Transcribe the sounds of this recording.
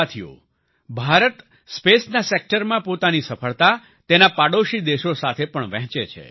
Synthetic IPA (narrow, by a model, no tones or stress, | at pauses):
t̪ʰijo̰ | bʱaɾət̪ | spesnasek̚ʈəɾmãpot̪anisəfʰəɭt̪a | t̪enapaɽoʃid̪eʃosat̪ʰepəɳʋɛ̃ɦt͡ʃet͡ʃʰḛ